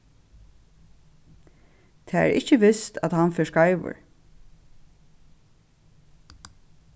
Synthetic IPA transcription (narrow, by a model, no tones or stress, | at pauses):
t̪ʰɛːæ̰ɾʔɪ̰çəʋɪst̪æt̪hanfɛskaɪʋə̰ʊ̰ɹ